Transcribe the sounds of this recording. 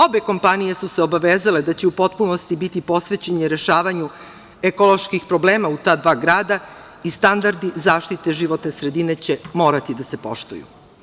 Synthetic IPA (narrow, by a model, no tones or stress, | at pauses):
o̞be̞ko̞mpanije̞suseo̞baʋeːzaled̪at͡ɕe̞upo̞t̪puno̞st̪ibit̪ipo̞sʋe̞t͡ɕeɲeɾe̞ʃaːʋaɲu | ekolˠo̞ʃkixpɾo̞bleːmaut̪aːd̪ʋaːɡɾaːd̪a | ist̪and̪aɾd̪izaːʃt̪it̪e̞ʒiʋo̞t̪ne̞sɾe̞d̪ine̞t͡ɕe̞mo̞ːɾat̪id̪ase̞po̞̰ʃt̪o̰jṵ